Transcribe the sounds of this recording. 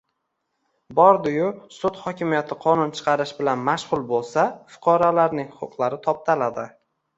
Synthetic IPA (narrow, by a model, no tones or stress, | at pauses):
bɒɾd̪ʊjʊsʊt̪χɒkʲʰɪmijat̪ʰɪqʰɒnʊnt͡ʃʰɨ̥qʰɑɾɪʃbɪlanmaʃʁʊlˠbolˠsafʊ̥qʰɒɾalaɾnɪŋhʊqʰʊqʰlˠaɾɪt̪ʰɒp̚t̪ʰalad̪ɪ